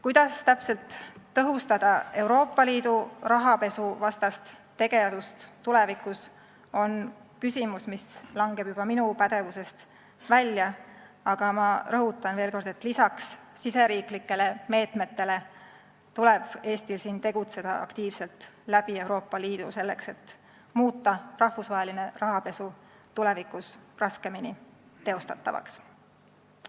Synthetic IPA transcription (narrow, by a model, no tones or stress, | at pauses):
kujd̪̥ɑst̪æpse̞lt̪ːɤɦust̪ɑd̪̥ɑe̞wɾo̞ːpːˑɑliːd̪urɑɦɑpe̞suvɑst̪ɑst̪ːe̞ɡ̥e̞ɑdust̪t̪ːule̞vikˑus | o̞nkysʲimusmislɑŋɡ̥e̞b̥jub̥ɑminupæd̪e̞vuse̞st̪ | vælʲjɑ | ɑɡ̥ɑmɑɾɤɦut̪ːˑɑnve̞ːlko̞rd̪̥e̞t̪ːlisɑksːise̞ɾiːklikːe̞le̞me̞ːt̪me̞t̪ːe̞le̞ | t̪ule̞b̥e̞ːst̪ilsiːnt̪e̞ɡ̥ut̪se̞d̪̥ɑʔɑ̰kt̪iːvse̞lt̪ˑlæb̥ie̞wɾo̞ːpːɑliːd̪̥use̞lːe̞̰kse̞t̪ː | muːt̪ːˑɑrɑhvusvɑɦe̞line̞rɑɦɑpe̞su | t̪ule̞vikˑusrɑske̞minit̪e̞o̞st̪ɑt̪ːɑ̰vɑ̰ks